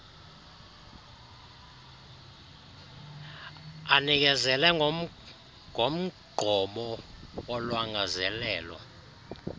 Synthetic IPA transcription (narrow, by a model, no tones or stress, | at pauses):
anik̬ɛzɛlɛ | ŋom̩ɡ͡ǃʱɔmɔwɔlwaŋazɛlɛːlɔ̰